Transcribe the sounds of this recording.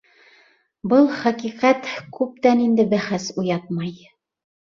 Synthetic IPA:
bɤlˠχæqiqæt̪kʉp̚t̪ænind̪ɘbæχæsujɑt̪̚mɑj

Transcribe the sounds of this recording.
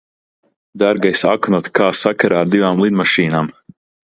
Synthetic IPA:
d̪aɾɡajsa̰knɔt̪kaːsakaɾaːɾd̪ivaːmlˠid̪maʃiːnaːm

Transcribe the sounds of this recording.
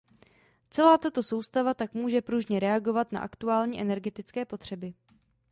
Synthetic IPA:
t͡sɛlaːt̪at̪o̞so̞wst̪avat̪akmuːʒɛpɾuʒɲɛɾɛaɡo̞vat̪na̰ʔa̰kt̪uaːlɲiːʔɛnɛɾɡɛt̪ɪt͡skɛːpo̞t̪r̝̥ɛbɪ

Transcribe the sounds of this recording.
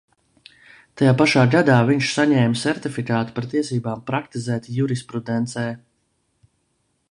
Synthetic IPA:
t̪ajaːpaʃaːɡad̪aːviɲʃsaɲɛːmʲsɛɾt̪ifikaːt̪u̥paɾt̪iɛsiːbaːmpɾakt̪izæːt̪ijuɾispɾud̪ɛnt̪sɛː

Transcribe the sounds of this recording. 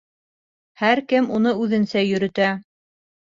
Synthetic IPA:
hæɾkɘmunɤʉðɘ̆nsæjɵ̆ɾɵ̆t̪æ

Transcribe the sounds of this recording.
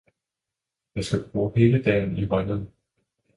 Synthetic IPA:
jɑɪsɡ̥æb̥ʁuːhe̝ːləd̥ɛ̰ːn̩iʋɑɪnəð̩ˠ

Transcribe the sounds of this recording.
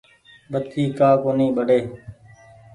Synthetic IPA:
bət̪̚kiːkaːkoːniːɓəɽeː

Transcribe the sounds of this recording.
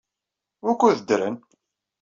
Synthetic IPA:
ʊkːuðəd̪ɾən

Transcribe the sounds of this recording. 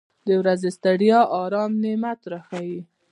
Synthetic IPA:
d̪əwɾazest̪aɽjɑʔɑɾɑmnemat̪ɾaxawi

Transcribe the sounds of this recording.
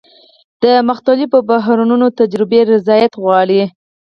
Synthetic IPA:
d̪̥əmaxt̪alipəbaɦɾununot̪ad͡ʒɾɪbeɾɪzɑjat̪ɣwɑɽi

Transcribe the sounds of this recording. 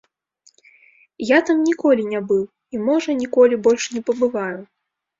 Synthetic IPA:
jat̪amnʲikɔlʲinʲabɨw | imɔʐɐnʲikɔlʲibɔlʲʂnʲɛpɐbɨvaju

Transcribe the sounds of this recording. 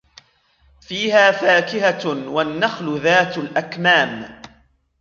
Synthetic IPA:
fiːhaːfaːkɪhawanːaxlʊðaːt̪alʔakmaːm

